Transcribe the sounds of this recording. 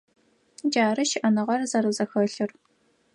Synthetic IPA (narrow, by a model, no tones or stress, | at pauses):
d͡ʒaːɾɨʃɪʔɐnɨʁɐrzɐɾɨzɐxɐɬɨr